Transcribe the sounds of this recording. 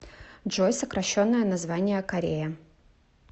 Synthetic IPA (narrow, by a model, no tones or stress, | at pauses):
dʐojsəkɾʔɐɕːonːəjənɐzvanʲɪjəkɐɾʲejə